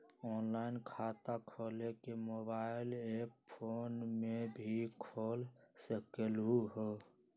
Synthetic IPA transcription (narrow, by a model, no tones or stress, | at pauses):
ɔːnlaːɪnkʰaːt̪akʰoːlekemoːbaːɪleːppʰoːnmebʱikʰoːlsekelɦuɦoː